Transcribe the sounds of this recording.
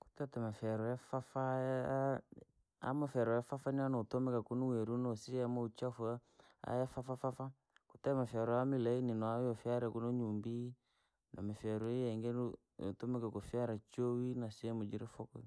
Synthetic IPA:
ku̥tɛtɛmafɛɾɔjafafa | a̰mafɛɾɔjafafanianɔtɔmɛkakunuwɛɾunɔsiamaut͡ʃaf | a̰jafafafafa | kutɛmafaɾɔjamilaininɔajɔfiaɾɛkunoɲumbi | nʔɔmifɛɾɔijɛŋɡɛn | o̰tɔmɛkakofiaɾat͡ʃowinasiɛmod͡ʒiɾɛfɔkɔ

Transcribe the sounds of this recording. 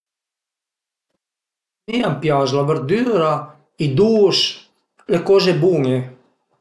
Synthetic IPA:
miampjazlaveɾd̪yːɾa | id̪us | lekɔːzebuŋe

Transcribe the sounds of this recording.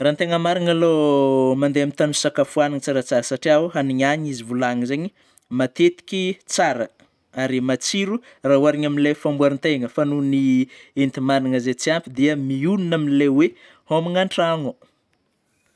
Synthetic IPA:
rant̪eŋəmaɾiŋalomand̪eamint̪anisakafuaniŋt͡saɾət͡saɾəsaʈ͡ʂiaɦaniɲaɲizivulaŋzeɲi | mat̪et̪i̥kʲit͡saɾə | aɾimat͡siɾu | raɦuaɾiɲaminlefambuaɾint̪eŋəfanunient̪imaniŋəzet͡siampid̪iəmiununaminlewe | homiŋaɳʈ͡ʂaŋo

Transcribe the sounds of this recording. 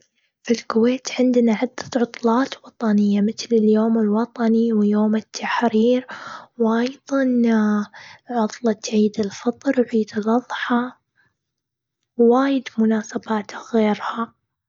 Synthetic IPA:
filkʊweːt̪ʕɪnd̪naʕʊd̪ːḁt̪ʕʊt̪ˤlɑːt̪wɑt̪ˤɑnɪjːamɪθlɪljoːmɪlwɑt̪ˤɑniwjoːmɪt̪ʰːaħɾiːɾwʔɑjðˤɑn | ʕʊt̪ˤlɑt̪ʕiːd̪ɪlfɑt̪ˤɾʕiːd̪ɪlʔɑðˤħɑ | wːaːjɪd̪mʊnaːsabaːt̪ɣeːɾha

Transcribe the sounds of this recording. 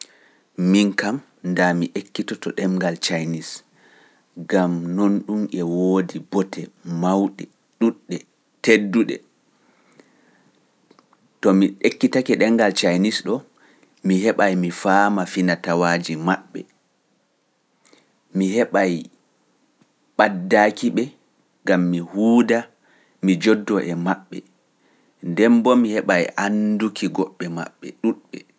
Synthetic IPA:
miŋkam | ndamiʔekːitɔtɔɗɛŋɡalt͡ʃajnis | ɡamnonɗumʔɛwoːdibɔtɛmawɗɛ | ɗuɗːɛ | tedːuɗɛ̰ | tɔmiɗekːitakɛɗɛŋɡalt͡ʃajnisɗɔ | mihɛɓajmifaːmafinatawaːd͡ʒimaɓːɛ̰ | mihɛɓaj | ɓadːakiɓɛ | ŋɡamːihuːda | mid͡ʒɔdːɔʔɛmaɓːɛ̰ | ndɛmbɔmihɛɓajʔandukʰiɡɔɓːɛma̰ɓːɛ̰ɗuɗɓɛ

